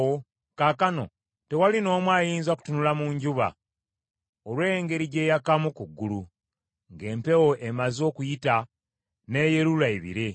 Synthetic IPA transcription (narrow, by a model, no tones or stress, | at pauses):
wo | kaːkano̞̰ | te̞walino̞ːmwaːjiːnzaku̥tunulamuɲɟuβa̰ | olweŋɡe̞ɾiɟe̞ːjakamukuɡːulu | ŋɡe̞ːmpe̞wo̞ʔemazo̞ːkujita | ne̞jeɾulaiβḭɾe̞